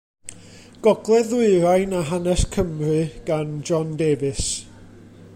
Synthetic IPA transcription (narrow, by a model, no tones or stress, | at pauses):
ɡ̥ɔɡlˠɛðʊɨɾajnaɦanɛskʰəmrɨɡ̥and͡ʒɔndeːvɨs